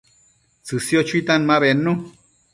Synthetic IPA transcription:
t͡sɨsjot͡ʃuit̪anmãβenːu

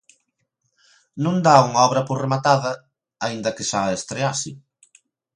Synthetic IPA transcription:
nũnd̪auŋɐɔβɾɐporemat̪aðɐ | aind̪ɐkɪʃaest̪ɾeasɪ

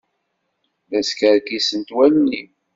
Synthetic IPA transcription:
ðæskəɾkisənt̪wælnim

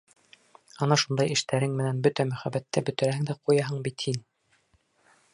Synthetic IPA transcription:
ɑnɑʃund̪ɑjɘ̆ʃt̪æɾɘŋmɘ̆nænbɵt̪æmɵ̆χæbæt̪ːæbɵ̆t̪ɘ̆ɾæhɘ̆ŋd̪æqujɑɦɤɴbit̪hin

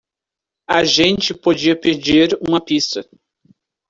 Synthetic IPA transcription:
ɐʒẽnt͡ʃɪpod͡ʒiɐped͡ʒiɾũmɐpist̪ɐ

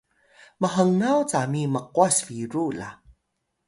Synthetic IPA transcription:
məɦəŋawt͡samiməqwasfiɾula̰

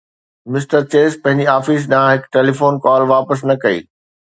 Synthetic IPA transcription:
mɪsʈəɾt͡ɕeːspɐ̃ɦɪ̃ɲd͡ʑiaːfiːs̬ɗɐãɦɪkʈeːlifoːnkɔːlʋaːpəs̬nɐkɐḭː

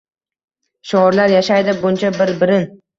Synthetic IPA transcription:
ʃʊɒɾlaɾjaʃajd̪ɪbʊnt͡ʃʰabɪɾbɪɾɪn

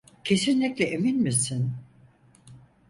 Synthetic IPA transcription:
cʰe̞sinlʲiclʲɛʔeminmisin

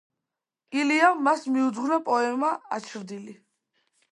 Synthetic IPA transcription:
ɡiliamːasmiud̪zʁnapʼɔɛmaat͡ʃʰɾd̪ili

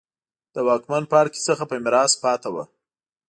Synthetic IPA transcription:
d̪̥əwɑkmanpɑɽki̥t͡səxapəɪmɪɾɑspɑt̪awa̰

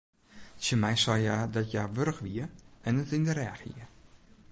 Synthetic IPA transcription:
səmɛjsɔjadɔtjaʋøɾəxʋiəɛnətɪndəɾɛaxḭə

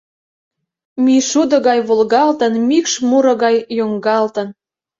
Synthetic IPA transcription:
miʃud̪ŏɣɑjβolɣɑlt̪ənmikʃmuɾɤ̆ɣɑjːoŋɡɑlt̪ə̆n

